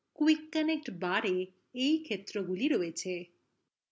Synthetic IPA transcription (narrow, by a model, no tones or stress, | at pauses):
kuwikːənek̚ʈbaɾeː | ikʰet̪ɾoɡuliɾoet͡ʃʰe